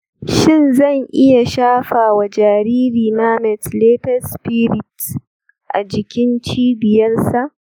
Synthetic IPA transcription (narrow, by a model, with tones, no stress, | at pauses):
ʃɪ˦˨nzɐ˦˨ŋʔɪ˦ja˨ʃaː˦ɸaː˨wa˨d͡ʒaː˨ɾiː˦ɾiː˨na˦mɛ˨tleː˦tɐ˦spiː˦ɾɪ˨t | ʔa˨d͡ʒɪ˨kʲɪ˦nt͡ʃiː˦bɪ˨jɐ˦rsa˨ʔ